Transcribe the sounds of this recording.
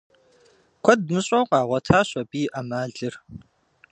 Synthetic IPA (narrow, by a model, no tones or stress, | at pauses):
kʷʰɐdmɨɕʼɐwqʼɑːʁʷɔtʰaːɕʷʼɔbiːʔamaːɮɨr